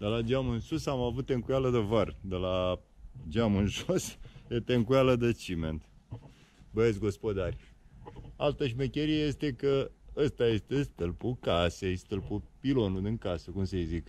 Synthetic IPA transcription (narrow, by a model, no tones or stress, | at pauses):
d̪elad͡ʒamɨnsusamavut̪̚ːe̞ŋkujaləd̪evard̪ela | d͡ʒamɨnʒosjet̪eŋkujaləd̪ət͡ʃiment̪ | bəesɡo̞spo̞d̪arʲ | alt̪əʃmekʲeɾieje̞st̪e̞kəəst̪aje̞st̪e̞st̪ɨlpukasejst̪ɨlpupilo̞nud̪ɨŋkasəkumsejzik